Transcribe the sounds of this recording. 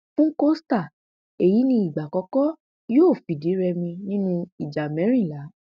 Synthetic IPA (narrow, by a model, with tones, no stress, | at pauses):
fũ˦ko˦sta˦˨ | e˨ji˨˦nĩ˧i˨ɡ͡ba˨kɔ˧˦kɔ˦ | joː˦˨fi˨di˨˦ɾɛ˧mĩ˧nĩ˦nũ˧i˨d͡ʒa˨mɛ̃˨˦ɾ̃ĩ˦˨la˨˦